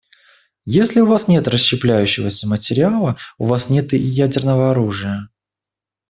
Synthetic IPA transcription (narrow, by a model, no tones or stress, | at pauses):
jesʲlʲɪʊvasnʲe̞t̪rəsɕːɪplʲæjʉɕːɪvəsʲəmətʲɪɾʲɪalˠəʊvasnʲe̞t̪ɨjædʲɪrnəvəɐɾuʐɨjə